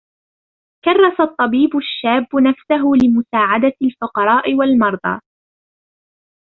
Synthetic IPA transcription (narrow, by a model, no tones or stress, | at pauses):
kɑrˤːɑsat̪ˤːɑbiːbʊʃːaːbːʊnafsaɦʊlɪmʊsaːʕad̪alfʊqɑɾˤɑːʔɪwalmɑɾˤd̪ˤɑ̰